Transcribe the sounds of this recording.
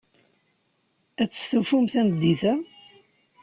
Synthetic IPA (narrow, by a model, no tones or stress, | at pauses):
æt͡sːə̥sθufumθænəd̪ːiθæ